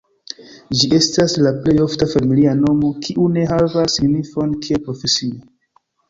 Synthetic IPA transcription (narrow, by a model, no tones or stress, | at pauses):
d͡ʒie̞staslaple̞jo̞ftafamiliano̞mo̞kʰiʔune̞ɦavasːiɡnifo̞nkiepɾo̞fe̞sio